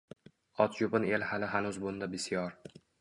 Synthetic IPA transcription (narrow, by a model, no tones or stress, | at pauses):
ɒt̪ʰjʊpɪnelhalɪɦanʊzbʊnd̪abɪsijɒɾ